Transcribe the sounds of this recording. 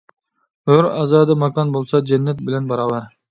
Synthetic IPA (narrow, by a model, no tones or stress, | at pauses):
øɾɑzɑːd̪ɨmɑkɑnbolˠsɑd͡ʒɛnːɛt̪̚bɪlɛnbɑɾɑwɑɾ